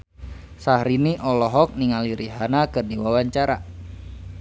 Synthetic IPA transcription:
sahɾiniʔɔlɔɦɔk̚niŋaliɾiɦanakɨrdiwawaɲt͡ʃaɾa

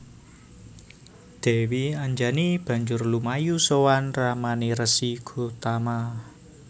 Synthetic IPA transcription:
d̪̥e̤wiaɲd͡ʒanib̥ä̤ɲd͡ʒʊrlumajusowanramaniɾəsiɡ̥ṳt̪ama

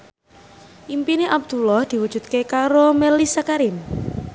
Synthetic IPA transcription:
ʔimpineʔab̚d̪̥ulɔhd̪̥i̤wud̥ʒ̥ṳt̪̚kekaɾomelisakaɾin

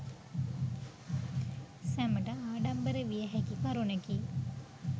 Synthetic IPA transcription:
sæməʈɐaːɖɐmbəɾəʋijɐɦɛkikɐɾunɐki

